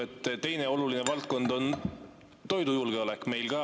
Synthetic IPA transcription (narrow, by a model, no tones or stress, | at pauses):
et̪ːt̪e̞jneo̞luline̞vɑlt̪̚ko̞nd̪o̞n | t̪o̞jd̪ujulɡ̥eo̞lɛkˑme̞jlɡɑː